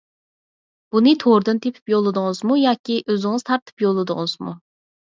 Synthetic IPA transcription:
b̥unɨt̪ʰoɾd̪ɨnt̪ʰepʰɪ̥pjolˠɨd̪ɨŋɨzmujɑːkʲiʔøzɪŋɨzt̪ʰɑɾt̪ʰɨ̥pjolˠːɨd̪ʊ̰ŋɨz̥mṵ

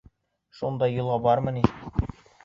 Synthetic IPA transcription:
ʃund̪ɑjːɤ̆lˠʁɑbɑɾmɤ̆ni

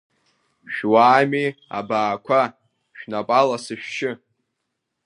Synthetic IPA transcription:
ʃᶣwaːmia̰baːkʷʰa | ʃᶣnapʼalasɨʃᶣʃɪ

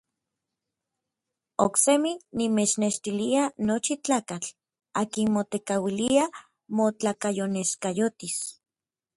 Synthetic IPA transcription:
okseminimet͡ʃneʃt̪ilianot͡ʃit͡ɬaːkat͡ɬ | aːkinmot̪ekawilia | mot͡ɬakajoneskajot̪is

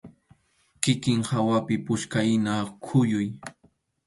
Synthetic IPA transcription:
kɪkɪŋhawapɪpʊʃkajnakʰʊjʊj

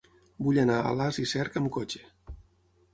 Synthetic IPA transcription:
buʎənaə̰lazisɛɾkəmkot͡ʃe̥

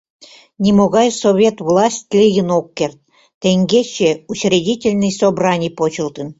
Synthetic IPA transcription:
nʲimoɣɑjsovʲet̪vlˠɑsʲtʲlʲiɡənokːert̪̚ː | eŋɡʲet͡ɕeut͡ɕrʲidʲitʲelʲnɨjsobrɑnʲijpot͡ɕə̆lˠt̪ə̆n

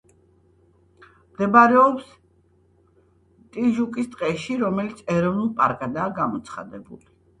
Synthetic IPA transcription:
md̪ɛbaɾɛɔps | t̪ʼiʒukʼist̪ʼqʼɛʃiɾɔmɛlit̪sʰɛɾɔvnulˠpʼaɾkʼad̪aːɡamɔt̪sʰχa̰d̪ɛbṵli

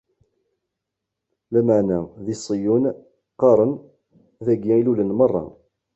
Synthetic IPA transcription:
læmaʕnæðisˤijun | qɑɾˤən | ðæɡːæilulənmɑrˤːɑ̰

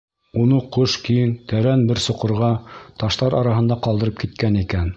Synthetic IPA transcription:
unɤqoʃkijɘnt̪æɾænbɘɾsŏqɤ̆ɾʁɑt̪ɑʃt̪ɑɾɑɾɑɦɤ̆nd̪ɑqɑlˠd̪ɤ̆ɾɤp̚kit̪̚kænikæn

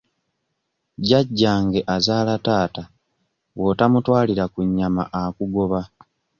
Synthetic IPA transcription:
ɟaɟːaːŋɡe̞ʔazaːlataːta | wo̞tamutwaːliɾakuɲːama̰ʔakuɡo̞βa

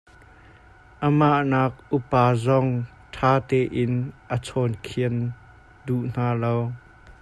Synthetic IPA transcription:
ʔəmaʔnaːk̚ʔupaːzɔŋ | tʰaːt̪ɛːʔɪnʔət͡sʰɔnkʰiən | duʔn̥aːlow

